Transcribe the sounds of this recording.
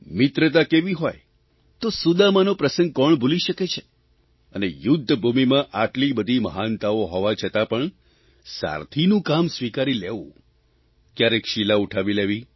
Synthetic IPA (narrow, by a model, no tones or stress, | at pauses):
mɪt̪ɾət̪akeʋiɦɔj | t̪osud̪amãnopɾəsə̃ŋɡ̚kɔɳbʱuliʃəket͡ʃʰe | ənejʊd̪ʱːəbʱumimãʔaʈlibəd̪ʱiməɦant̪aoɦɔʋat͡ʃʰət̪apəɳ | sa̰ɾt̪ʰinũkamsʋikaɾileʋṵ̃ | kjaɾekʃilauʈʰaʋileʋi